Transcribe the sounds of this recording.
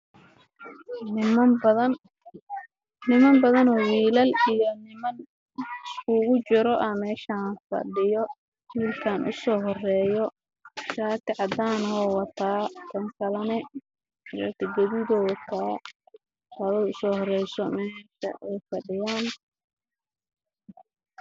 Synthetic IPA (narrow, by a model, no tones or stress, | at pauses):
nɪmɐbɐðɐn | nɪmɐmbɐðɐnɔːwiːlɐlijɔnɪmɐn | ʊɣʊt͡ʃɪɾɔʔɐmɛːʃanfɐ̰ɖɪjɔ | hiːlkʰanʔʊ̰sɔːɦɔrɛːjɔ | ʃaːt̪ɪʕɑd̪aːnɔːwɑt̪ʰaːk̪ʰɐŋkʰɐlɐnɛ | ɾɐ̰k̪ʰɐɡɐðɪðɔːkʰaː | hɐðɐjʊsɔːhɔrɛjsɔmɛːʃɐ̰ʔɛjfɐɖɪjaːn